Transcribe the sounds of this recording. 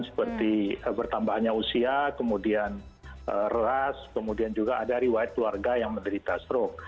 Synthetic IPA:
nsə̥pərt̪iəbərt̪ambahɲausiakəmudian | ʔərəaskəmudiand͡ʒuɡaʔadaɾiwajat̪̚kluarɡajaŋməndəɾit̪asɾɔk̚

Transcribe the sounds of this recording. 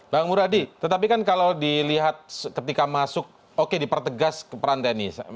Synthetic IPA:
baŋmuɾadit̪ət̪ap̬ikankalawdiliɦat̪̚kət̪ikamasʊk̚ | okedipərt̪əɡaskəpəɾant̪enis

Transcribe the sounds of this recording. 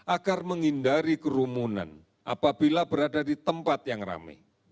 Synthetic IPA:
ʔaɡarməŋindaɾikəɾumuna̰n | ʔa̰pabilabəɾadadit̪əmpat̪̚jaŋra̰mḛ

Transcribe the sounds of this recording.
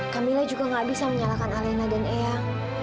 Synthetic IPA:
kamilad͡ʒuɡaŋɡaʔbisaməɲalakanalenadanea

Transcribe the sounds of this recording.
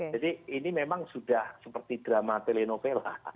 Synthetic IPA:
d͡ʒadiinimemaŋsudahsəpərt̪id̥ɾamat̪elenopela̰h

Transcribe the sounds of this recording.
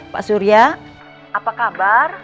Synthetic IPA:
pa̰ʔsuɾia | ʔapakabar

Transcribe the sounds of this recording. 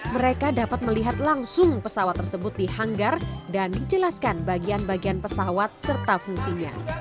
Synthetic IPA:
məɾekadapat̪̚məliɦat̪laŋsʊŋpəsawat̪ːərsəbʊt̪̚dihaŋɡardandid͡ʒəlaskanbaɡianbaɡianpəsawat̪̚sərt̪afuŋsiɲa̰

